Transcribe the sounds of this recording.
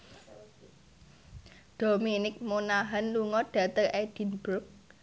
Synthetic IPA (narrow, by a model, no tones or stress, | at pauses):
ɖ̥o̤minɪk̚monaɦanluŋɔɖ̥ä̤t̪ərʔɛd̥i̤nbɾʊk̚